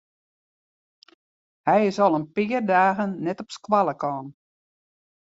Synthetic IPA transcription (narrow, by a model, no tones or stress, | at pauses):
hɛjɪsɔlˠənpɪːərdaːɣənːɛtɔpskwalˠəkɔːn